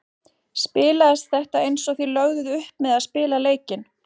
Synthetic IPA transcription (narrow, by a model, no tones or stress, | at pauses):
spɪːlaðɪst̪θɛht̪aejnsɔθilœɣðʏðʏhp̚mɛðaðspɪːlaleːjcɪn